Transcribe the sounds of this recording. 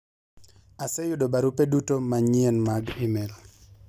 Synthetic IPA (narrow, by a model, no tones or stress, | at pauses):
asejʊdobaɾupedutomaɲienmaɡimel